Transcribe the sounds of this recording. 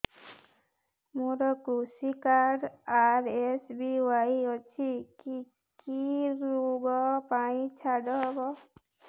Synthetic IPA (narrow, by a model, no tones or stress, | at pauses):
moɾɔkɾusikaɾɖaɾesbiwajiɔt͡ʃʰiki | kiɾuɡɔpaĩt͡ʃʰaɖɔɦbɔ